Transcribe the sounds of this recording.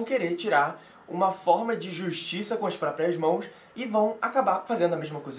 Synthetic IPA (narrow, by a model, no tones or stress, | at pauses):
w̃keɾeɾt͡ʃiɾaɾ | ṵ̃mɐfɔɾmɐd͡ʒɪʒuʃt͡ʃisɐkõɐspɾɔpɾiɐzmɐ̃w̃s | ɪvɐ̃w̃akabaɾfazẽnd̪ɐmeʒmɐkojzɐ